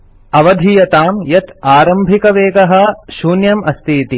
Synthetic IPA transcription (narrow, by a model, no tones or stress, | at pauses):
ɐʋɐd̪ʱijɐt̪aːmjɐt̪aːɾɐmbʱikɐʋeːɡɐɦɐ̆ʃuːnjɐmɐst̪ʰiːt̪i